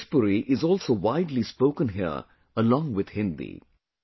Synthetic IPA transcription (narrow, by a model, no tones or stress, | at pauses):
spʊɾiʔɪzɔːlsoːʋaɪdlispoʊkə̃nɦiə̰ | əlɔ̃ŋwɪd̪̥hɪ̃nd̪ḭ